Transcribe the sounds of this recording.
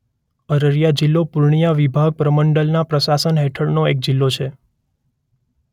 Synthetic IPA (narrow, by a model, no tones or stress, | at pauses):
əɾəɾijad͡ʒilːopuɾɳijaʋibʱaɡ̚pɾəməɳɖəlnapɾəsasənɦeʈʰəɭnoek̚d͡ʒilːot͡ʃʰe